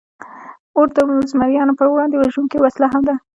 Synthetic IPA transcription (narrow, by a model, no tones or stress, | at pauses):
oɾd̪ənzmaɾjɑnopəɾwɽɑnd̪ewaʒuŋkiwaslaɦamd̪a